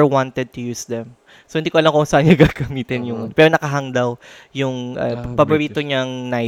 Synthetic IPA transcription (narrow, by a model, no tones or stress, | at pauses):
ɹwãnt̪ɛd̪̚t̪ʊjuːsd̪ɛm | sohɪnd̪iːkoɐlamkoʔsaʔɐnɲɐɡaɡɐmiːt̪ɪnjʊŋpɛːɾonɐkɐɦɐŋd̪aw | jʊŋʔɐpɐboɾiːt̪oɲɐŋna